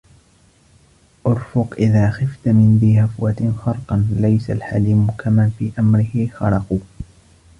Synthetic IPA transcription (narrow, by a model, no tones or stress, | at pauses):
ʔʊɾˤfʊqʔɪðaːxɪft̪mɪnðiːhafwat̪xɑɾˤqɑnlajsalħaliːmʊkʰamanfiːʔamɾɪhɪxɑɾɑquː